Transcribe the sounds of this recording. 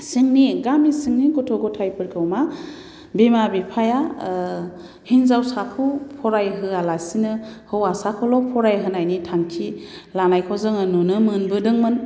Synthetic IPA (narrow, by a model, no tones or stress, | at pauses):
sɯŋniɡamisɯŋniɡɔtʰɔɡɔtʰajpʰɯɾkʰɯwma | bemabipʰaja | hinzawsakʰɯwpʰɔɾajɦɯalasinɯhɯwasakʰɔlɔpʰɔɾajɦɯnajnitʰaŋtʰilanajkʰɔzɯŋɯnunɯmɯnbɯdɯŋmɯn